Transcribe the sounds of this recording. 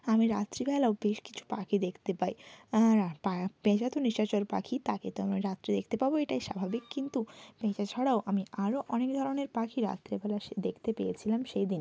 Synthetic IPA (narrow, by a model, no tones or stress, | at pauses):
amiɾat̪ːɾibɛlaobeʃki̥t͡ɕʰu̥pakʰid̪ekʰt̪epaj | pabed͡ʑat̪oniʃat͡ɕoɾpa̰kʰit̪aket̪oamiɾat̪ːɾid̪ek̚ʰt̪epaboeʈajʃabʱabikːint̪uped͡ʑat͡ɕʰɔɽaoʔamiʔaɾoʔɔnek̚d̪ʱɔɾoneɾpakʰiɾa̰t̪ːɾibɛlaʃd̪ekʰt̪epejet͡ɕʰilamʃejd̪in